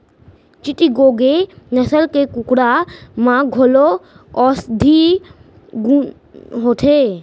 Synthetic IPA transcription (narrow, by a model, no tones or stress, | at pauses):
t͡ʃɪʈiɡoːɡenəsəlkekʊkɽamãɡʱolo | ɔsd̪ʱi | ɡu | ɦoːt̪ʰeː